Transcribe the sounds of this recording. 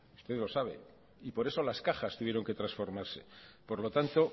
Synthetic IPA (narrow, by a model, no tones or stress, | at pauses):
ust̪e̞ðlo̞saβ̞e̞̰ | ipo̞ɾe̞so̞laskaxast̪uβjeɾo̞ŋke̞t̪ɾasfo̞ɾmaɾse̞̰po̞ɾlo̞t̪ant̪o̞